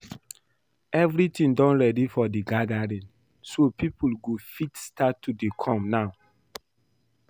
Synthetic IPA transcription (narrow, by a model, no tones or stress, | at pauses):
ɛvɾitĩndɔ̃nɹɛdifɔdiɡadaɹĩn | sopipʰulɡofitstatʰːudekʰɔ̃mnaʊ